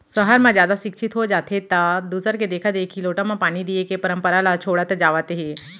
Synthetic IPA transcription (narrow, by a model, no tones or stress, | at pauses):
səɦaɾmãd͡ʑjaːd̪aʃikʃʰit̪ɦod͡ʒaːt̪ʰet̪ːad̪uːsəɾked̪ekʰad̪ekʰiloːʈãmãpaːɽ̃id̪ijekepəɾəmpəɾalat͡ʃʰoːɽat̪əd͡ʒaːʋət̪ɦe